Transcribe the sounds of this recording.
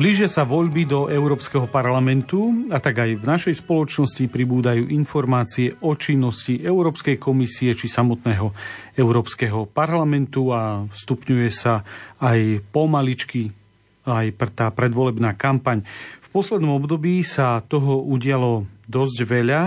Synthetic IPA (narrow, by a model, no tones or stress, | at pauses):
bliːʒɪasaʋɔʎbid̪ɔʔɛʊɾɔːpskɛɦɔpaɾlamɛnt̪uat̪aɡajvnaʃɛjspɔlɔt͡ʃnɔscipɾibuːd̪ajuːʔinfɔɾmaːt͡siɛʔɔt͡ʃinːɔsciʔɛʊɾɔːpskɛjkɔmisiɛt͡ʃisamɔt̪nɛːɦɔɛʊɾɔːpskɛɦɔpaɾlamɛnt̪uafst̪upɲujɛsaːjpɔmalit͡ʃki | ajpɾɛt̪aːpɾɛd̪ʋɔlɛbnaːkampaɲfpɔslɛd̪nɔmɔbd̪ɔbiːsat̪ɔɦɔuɟɪalɔd̪ɔzɟʋɛʎa